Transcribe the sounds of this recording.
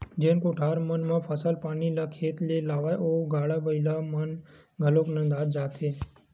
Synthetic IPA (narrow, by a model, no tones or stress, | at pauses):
d͡ʒẽːnkoʈʰaːɾmənmãpʰəsəlpaːnilakʰeːt̪leːlaːʋaːoːɡʱaːɽabəɪlamən | ɡʱəloːknə̃d̪aːd̪d͡ʒaːt̪ʰeː